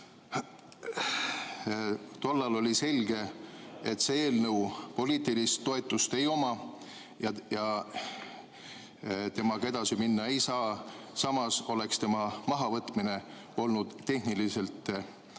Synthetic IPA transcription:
t̪o̞lːɑlo̞lʲise̞lʲɡ̥e̞et̪seeːlnɤwpo̞liːt̪ilist̪ːo̞e̞t̪ːˑust̪e̞jo̞mɑ | jɑjɑ | t̪e̞mɑkɑe̞d̪ɑsiminːɑe̞jsɑːsɑmɑso̞le̞kst̪e̞mɑmɑɦɑvɤt̪ːˑmine̞ | o̞lnud̪̥t̪ːe̞hnilise̞lt̪ːˑ

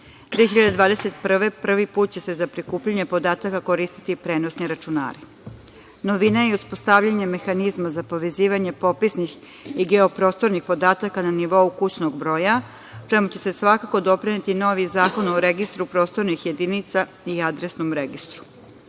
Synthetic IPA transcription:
d̪ʋieeçiʎad̪ed̪ʋaːd̪eset̪pr̩ʋe̞pr̩ʋipuːt̪̚t͡ɕe̞se̞zapɾikuːpʎaɲe̞po̞d̪aːt̪akako̞ɾiːst̪i̥t̪ipɾe̞ːnosniɾat͡ʃuna̰ːɾi | noʋinajeuspo̞st̪avʎaɲe̞me̞xanizmazapo̞ʋe̞ziːʋaɲe̞po̞pisnix | iɡe̞o̞pɾo̞st̪o̞ɾnixpo̞d̪aːt̪akananiʋo̞ukut͡ɕnoɡbɾo̞ːja | ut͡ʃemut͡ɕe̞se̞sʋakako̞d̪o̞pɾinet̪ino̞ʋizaːko̞noɾe̞ɡist̪ɾupɾo̞st̪o̞ɾnixje̞d̪init̪sa | iad̪ɾesnomɾeɡist̪ɾu̥

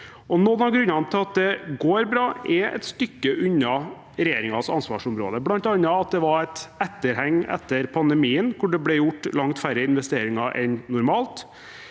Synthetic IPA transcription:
ʔɔnɔnɑɡɾʉnːɑnət̪ʰɪlɑt̪̚d̪ɛɡoːɾbɾɑːʔɛɛ̰t̪st̪ʏkːəʔʉɲːɑ | ɾɛjeːɾɪŋɑsɑnsʋɑ̰ːʂʊmɾo̰ːd̪əblɑnt̪ɑnːɑɑt̪̚d̪ɛʋɑɾæt̪ɛt̪ːəɾhɛŋːɛ̰t̪ːəɾpʰɑnd̪ɛmiːənkʰʊɖɛblɛjʊʈːlɑŋt̪fæɾəɪnʋɛst̪eːɾɪŋɑʔɛnnʊɾmɑːlt̪

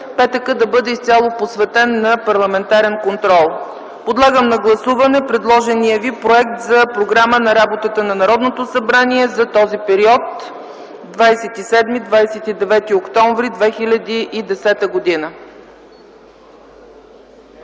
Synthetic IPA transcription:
pɛt̪əkəd̪ɐbɤd̪ɛist̪ʲalˠoposvɛt̪ɛnːɐpɐɾlˠɐmɛnt̪aɾɛnkont̪ɾɔlˠ | pod̪lˠaɡəmnɐɡlˠɐsuvɐnɛpɾɛd̪lˠɔʒɛniəvipɾoɛk̚t̪zɐpɾoɡɾamənɐɾabot̪ət̪ənɐnɐɾɔd̪not̪osɐbɾaniɛzɐt̪ɔzipɛɾiɔt̪ | d̪vajsɛt̪isɛd̪mid̪vajsɛt̪id̪ɛvɛt̪iokt̪ɔɱvɾid̪vɛxilʲɐd̪iʔid̪ɛsɛt̪əɡod̪inə

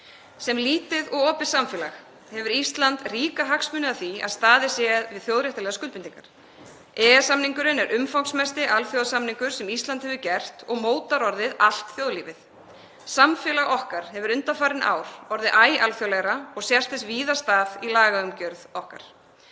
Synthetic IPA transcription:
sɛmliːt̪ɪðɔɣɔːpɪ̥samfɛːlax | hɛvʏɾist̪lant̪riːkaɦaksmʏnɪaθia̰ðst̪aːðɪsɛːɣaðvɪðθjowðɾjɛht̪alɛɣaskʏlpɪnt̪iŋkaɾ̥ | ɛːɣasamniŋkʏɾɪnɛɾʔʏmfawnsmɛst̪ɪʔalfjowðsamniŋkʏɾ̥sɛmist̪lant̪hɛvʏcɛr̥t̪ɔɣmoːwt̪aɾɔɾðɪðal̥t̪θjoːwðliːvɪθ | samfɛlaɣɔhkaɾ̥hɛvʏɾʏnt̪afaːɾɪnʔa̰ːwɾ̥ɔɾðɪʔaːja̰lfjowlɛɣɾaɔɣsjɛr̥t̪ɪsviːðast̪aːðilaːɣaʏmcœɾðɔhka̰ɾ̥

